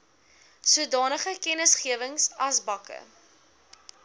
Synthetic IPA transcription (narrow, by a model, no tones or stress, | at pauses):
suədɑːnəχəkɛnəsχiəvəŋsɐsbɐkə̰